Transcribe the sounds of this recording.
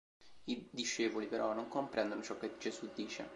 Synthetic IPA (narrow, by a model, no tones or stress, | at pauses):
id̪iʃːeːvolipeɾɔnːoŋkompɾɛnd̪onot͡ʃɔkːed͡ʒezud̪ːiːt͡ʃḛ